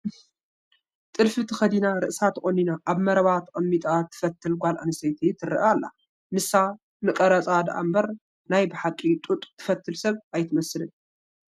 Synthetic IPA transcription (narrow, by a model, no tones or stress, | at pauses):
t̪ʼɨlfɨt̪ʰɨxɐd̪inaɾɨʔsat̪ʰɨkʼonːinaʔaβmɐɾɐβat̪ʰkʼɐmːit̪ʼat̪ʰːɨ̥fɐt̪ʰːɨlɡʷalʔanɨsɐjt̪ʰit̪ʰɨrɨ̰ʔalːa̰ | nɨsa | nɨkʼɐɾɐt͡sʼad̪ʔa̰mbɐɾ | najbɨħakʼːit̪ʼut̪ʼt̪ʰɨ̥fɐt̪ʰːɨlsɐβʔajt̪ʰɨmɐsɨlɨn